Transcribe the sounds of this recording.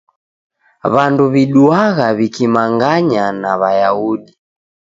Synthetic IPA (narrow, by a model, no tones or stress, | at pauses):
βanduβiɗuaɣaβikimaŋɡaɲanaβajauɗi